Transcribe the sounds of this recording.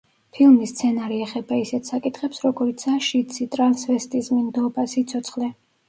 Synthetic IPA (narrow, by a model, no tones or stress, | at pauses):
pʰilˠmist̪sʰɛnaɾiɛχɛbaisɛt̪ʰsakʼit̪ʰχɛpsɾɔɡɔɾit̪sʰaʃit̪sʰit̪ʼɾansvɛst̪ʼismind̪ɔbasit̪sʰɔt̪sʰχlɛ